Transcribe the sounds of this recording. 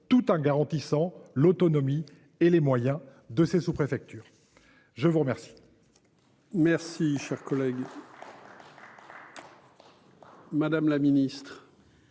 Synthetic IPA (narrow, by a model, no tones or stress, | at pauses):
t̪ut̪ɑ̃ɡaʁɑ̃t̪isɑ̃lot̪ɔnɔmi | elemwajɛ̃ | d̪əsesupχefɛk̚t̪yːʁ | ʒəvuʁmɛʁsi̥ | mɛʁsiʃɛʁkɔlɛɡ | mad̪amlaminist̪χ